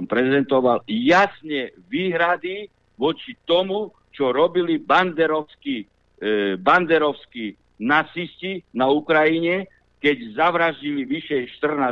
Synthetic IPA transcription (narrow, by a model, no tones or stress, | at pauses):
mpɾɛzɛnt̪ɔʋaljasɲɛʋiːɦɾad̪i | ʋɔt͡ʃit̪ɔmu | t͡ʃɔɾɔbiliband̪ɛɾɔʊski | band̪ɛɾɔʊski | nat͡siscinaukɾajiɲɛ | kɛɟzaʋɾaʒɟiliʋiʃɛjʃt̪r̩naː